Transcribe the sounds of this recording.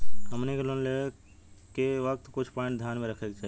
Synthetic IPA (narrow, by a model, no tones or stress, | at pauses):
ɦəmnekelonle | keʋək̚t̪kʊt͡ʃʰpɔ̃ɪ̃ɳʈd̪ʱjaːnmẽɾəkʰekt͡ʃaːɦ